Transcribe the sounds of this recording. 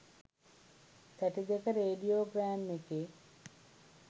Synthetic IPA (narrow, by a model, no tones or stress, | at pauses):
t̪æʈid̪ekəɾeːɖijoːbɾɛmːekeː